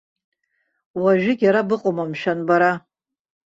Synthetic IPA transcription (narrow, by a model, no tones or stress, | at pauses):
waʒᶣɪɡʲaɾabɨqʼomamʃᶣanbaɾa